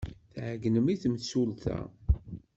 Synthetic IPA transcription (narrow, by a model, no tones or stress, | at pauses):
θʕɡnəmiθmsulθæ̰